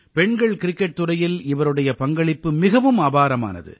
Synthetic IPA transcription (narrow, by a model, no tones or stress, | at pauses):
pɛɳɡɐɭkɪɾɪkːɛʈ̚t̪ɯɾɐjɪlɪʋɐɾɯɽɐjɐpɐŋɡɐɭɪpːɯmɪɣɐʋɯmabaːɾɐma̰ːnɐ̰ðɯ̰